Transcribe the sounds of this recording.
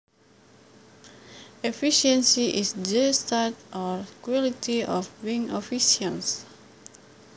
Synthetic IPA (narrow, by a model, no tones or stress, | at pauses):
efiʃɛ̃nsiʔisdəstatɔɹkwɔlitʰiɔfbĩŋofiʃians